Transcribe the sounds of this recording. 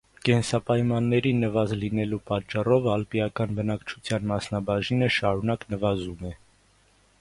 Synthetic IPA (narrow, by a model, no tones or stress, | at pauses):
kɛnsɑpɑjmɑnːɛɾinːəvɑzlinɛlupɑt͡ʃːɑrɔvɑlpiɑkɑnbənɑkt͡ʃʰu̥t͡sʰjɑnmɑsnɑbɑʒinəʃɑɾunɑknəvɑzumɛ